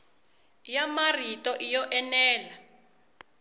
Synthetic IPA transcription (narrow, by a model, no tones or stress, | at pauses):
jamaritʼɔʔijɔʔɛnɛːla